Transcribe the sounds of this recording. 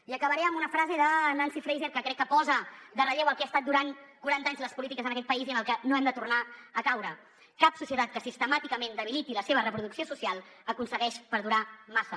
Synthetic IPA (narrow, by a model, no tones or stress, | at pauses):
iəkəβəɾɛəmbunəfɾazeðənansifɾejzeɾkəkɾɛkːəpɔzəd̪ərəʎewəlˠkeast̪at̪̚d̪uɾaŋkuɾant̪aɲzləspulit̪̬ikəzənəkɛt̪̚pəiziənəlˠkɛnoɛmd̪ət̪urnaəkawɾə | kapsusiət̪at̪̚kəsist̪əmat̪ikəmẽnd̪əβ̞ilit̪iləseβ̞ərəpɾuðuksiosusialˠəkunsəɣɛʃpəɾðuɾamasə